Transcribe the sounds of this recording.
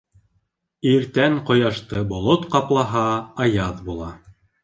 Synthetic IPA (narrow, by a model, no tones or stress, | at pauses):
iɾt̪æŋqŏjɑʃt̪ɤbŏlˠot̪qɑplˠɑɦɑːjɑðbulˠɑ